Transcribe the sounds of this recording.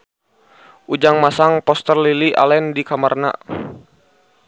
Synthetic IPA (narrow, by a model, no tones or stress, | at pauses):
ʔud͡ʒaŋmasaŋpɔst̪ərliliʔa̰lɛndikamarna̰